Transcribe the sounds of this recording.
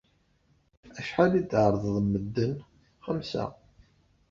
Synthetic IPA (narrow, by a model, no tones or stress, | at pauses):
æʃħalid̪ʕəɾˤðˤðˤmːəd̪ːən | χəmsæ̰